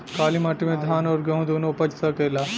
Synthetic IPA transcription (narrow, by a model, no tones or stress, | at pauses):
kaːlimaʈːimeːd̪ʱaːnɐʋɐɾɡeõnd̪uʋnːuupɐt͡ʃːi̥sɐkɐilːɐ